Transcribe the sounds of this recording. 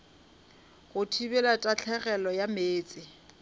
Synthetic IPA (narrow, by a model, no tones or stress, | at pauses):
ɣʊtʰibɛlatʼat͡ɬʰɛɣɛlɔjameːt͡sʼɪ